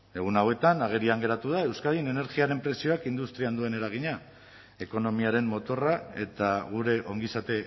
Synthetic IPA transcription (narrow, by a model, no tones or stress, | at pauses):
e̞ɣ̞unawe̞t̪anaɣ̞e̞ɾiaŋɡe̞ɾat̪uð̞ae̞wskaðine̞ne̞ɾɣiaɾe̞mpɾe̞sio̞akind̪ust̪ɾiand̪ue̞ne̞ɾaɣ̞iɲa | e̞ko̞no̞miaɾe̞mmːo̞t̪o̞rae̞t̪aɣ̞uɾe̞ʔo̞ŋɡisat̪e̞